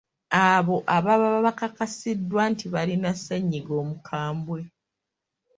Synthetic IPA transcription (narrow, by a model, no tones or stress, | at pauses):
aβo̞ʔaβaβaβaβakakasidːwantiβalinasaɲːiɡo̞ːmukʰaːmbwe̞